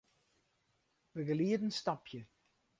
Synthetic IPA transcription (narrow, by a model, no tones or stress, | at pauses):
ʋəɡəliədənstɑpʰjə